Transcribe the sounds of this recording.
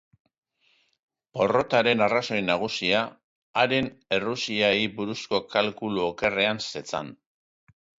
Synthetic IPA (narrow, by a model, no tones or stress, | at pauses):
po̞ro̞t̪aɾe̞naraso̞jnaɣ̞usiaː | ɾe̞ne̞rusiaibuɾusko̞kalkuluoke̞re̞anse̞t͡sa̰n